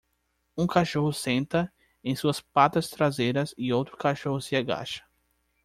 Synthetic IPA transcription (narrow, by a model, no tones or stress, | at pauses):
ũkaʃohʊsẽnt̪ɐ | ẽj̃suɐspat̪ɐst̪ɾazejɾɐzɪowt̪ɾʊkaʃohʊsɪaɡa̰ʃɐ̥